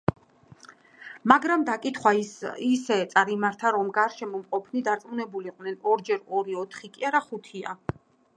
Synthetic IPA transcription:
maɡɾamd̪akʼit̪ʰχwaiisɛt̪sʼaɾimaɾt̪ʰaɾɔmɡaɾʃɛmɔmqʼɔpʰnid̪aɾt̪sʼmunɛbuliqʼwnɛnɔɾd͡ʒɛɾɔɾiɔt̪ʰχikʼiaɾaχut̪ʰia̰

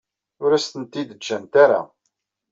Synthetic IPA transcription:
ʊɾæst̪ənt̪ːid̪əd͡ʒːænt̪aɾa̰

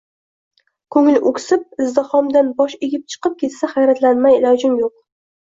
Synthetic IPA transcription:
kʰɵŋɪlʔokʲsɪp̚ɪzd̪ɨhɒmd̪anbɒʃeɡʲɪp̚t͡ʃʰɨ̥qɨp̚kʲʰe̞t̪saχajɾat̪lanmajɪlɒd͡ʒɪmjoq̚

